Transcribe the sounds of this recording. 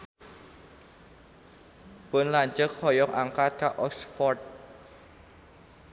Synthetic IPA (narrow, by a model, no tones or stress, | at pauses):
b̥onlaɲt͡ʃək̚hɔjɔŋʔaŋkakʰaʔɔksfɔrt̪̚